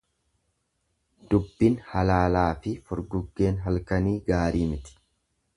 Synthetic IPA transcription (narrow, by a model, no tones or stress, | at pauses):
d̪̥ʊbːɪnhɐlaːlaːfɪfɔɾɡʊɡːe̞ːnɦɐlkɐniːɡaːɾiːmɪt̪ɪ̥